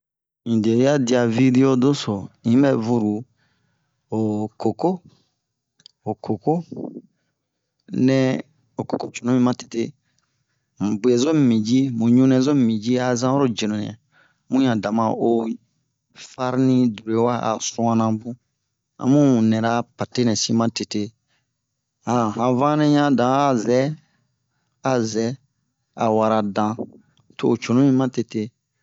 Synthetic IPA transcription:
ĩ˨de˨˦ja˦di˨a˨vi˦de˦o˦do˦so˨ĩ˦mɛ˦vu˦ɾu˨ | o˨ko˨ko˦ | o˨ko˨ko˦ | nɛ̃˦ | o˨ko˨ko˦t͡ʃo˨nũ˦mĩ˦mã˦te̥˨te˦˨ | bu˨ɛ˨zo˦m˨mĩ˨d͡ʒi˦mũ˨ɲũ˦nɛ̃˨zo˦m˨mĩ˨d͡ʒi˦a˨zã˦wɔ˦ɾo˦d͡ʒi˨nõ˨n˨ɛ̰˨ | mũ˦ɲã˨dã˨mã˨o˨ | fa˦ɾnĩ˦du˨ɾe˨wa˦a̰˨sũ˦ã˦nã˨bũ˦ | ã̰˨mũ˦˨nɛ̃˨ɾa˦pa˨te˦nɛ̃˨sĩ˦mã˦te˨te˦ | ã˨hã˨vã˦nɛ̃˦ɲã˦dã˨˦a˦˨zɛ˦ | a˨zɛ˦ | a̰˨wa˨ɾa˨dã˨ | toː˨t͡ʃo˨nũ˦mĩ˦mã˦te˨te˦

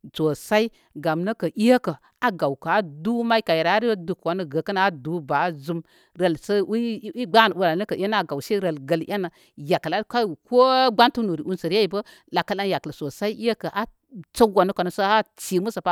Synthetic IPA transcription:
t͡so˨sa˦i˦ | ɡa˨mnə˦kə˨ʔi˦ja˦kə˨ | a˨ɡa˨wka˨a˦du˦ma˦i˦ka˨je˨ɾa˨˦ɾi˦du˨kwa˨nə˦ɡə˨kə˦na˨a˦du˨˦ba˨˦zu˦m | ɾə˨lsə˦i˦ɡ͡ba˦˨n˨u˦ɾa˨nə˦kə˨ʔa˦na˦a˨ɡa˨wse˦ɾə˨lɡə˨lja˦na˨ | ja˨kə˨la˦ka˦˨ko˦ɡ͡ba˦ntu˦nu˨ɾi˨u˦nsə˨ɾja˦i˨bə˦ | la˨ka˦la˦nja˨kə˨so˨sa˦i˦ʔi˦ja˦kə˨ʔa˦ | t͡sə˦wa˨nə˦ka˨nə˨sə˦ha˦t͡si˨mu˦sə˨pa˦

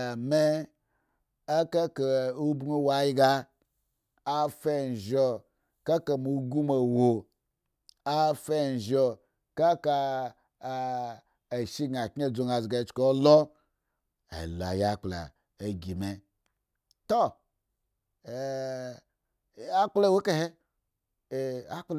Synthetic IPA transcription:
me˦ | a˦ka˦ke˨u˦bŋu˦wa˨˦ji˦ɡa˦ | a˦fe˦˨ʒo˨ | ka˦ka˨mu˨˦ɡu˦me˨wo˨ | a˦fe˦˨ʒo˨ | ka˦ka˧˨ | e˨ʃi˦ɡa˨kɲ˦e˦˨d͡zo˨ŋa˨zi˨ɡa˨˦t͡ʃko˦lo˦ | ḛ˨la̰˨ja˦k͡pla̰˨ | e˨ɡi˨me˨ | to˦˨ | a˦k͡ple˦˨wo˦ke˦he˦˨ | a˦k͡p

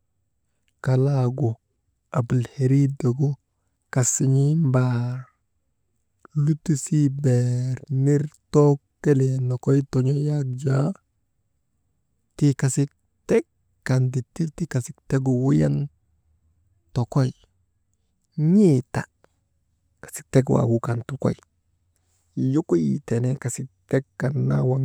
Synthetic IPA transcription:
ka˨laɡo˨ | a˨bu˨lhe˨ɾi˦da˨ɡo˦ | ka˨si˨ɲi˦mbaɾ | lu˦ti˦si˦bɛɾni˦ɾtɔ˦kːe˦le˨no˨ko˦jto˨ɲo˦ja˦d͡ʒa˦ | ti˦ka˨sɪ˦k̚ | tɛ˦kː | a˨ndi˨tːi˦ti˦ka˨si˦k̚te˦ɡu˨wu˦ja˦n | to˨kɔ˦j | ɲi˦ta˨ | kḁ˨si̥˦k̚te˦ɡ̬wa̰˨wu˦ka˨ntu˨kɔ̰˦j | ju˦ku˦ji˨tɛ˨nɛ˦ka˨sɪ˦k̚tɛ˦kːa˨nːa˦wa˦ŋ

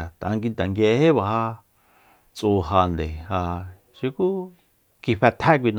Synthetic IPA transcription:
t̪a˨ã˧ŋɡi˧nt̪a˨ŋɡje˧he˦βa˨ha˧ | t͡sʼuː˧ɦa˧nd̪ḛ˨ha˧ | ʃi˧ku˦ | ki˧ɸɛ˧t̪ʰa˦kʷi˧n˧

